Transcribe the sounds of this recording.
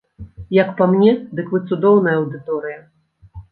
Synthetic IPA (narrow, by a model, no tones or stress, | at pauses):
jɐkpamnʲɛd̪ɨkvɨt̪sud̪ɔwnɐjɐɐwd̪ɨt̪ɔɾɨjɐ